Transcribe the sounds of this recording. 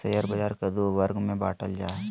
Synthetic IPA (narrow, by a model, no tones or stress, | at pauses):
sɐjəɾbɐd͡ʒaːɾkɐd̪oʋɐɾɡmẽba̰ːʈəld͡ʒaː